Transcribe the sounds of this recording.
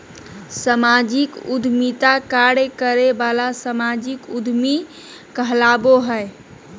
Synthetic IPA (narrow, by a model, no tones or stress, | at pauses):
səmad͡ʒikud̪ʱmit̪akaɾekəɾebalasəmad͡ʒikud̪ʱmi | kəɦlaboɦəe